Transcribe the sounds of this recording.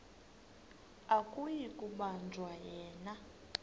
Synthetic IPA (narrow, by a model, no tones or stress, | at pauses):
akʼujikʼuɓand͡ʒʱwajɛːna